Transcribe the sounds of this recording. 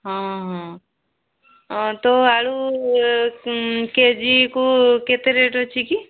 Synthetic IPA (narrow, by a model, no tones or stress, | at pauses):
ɦãɦã | t̪oaɭu | ked͡ʒikuket̪eɾeʈot͡ʃʰiki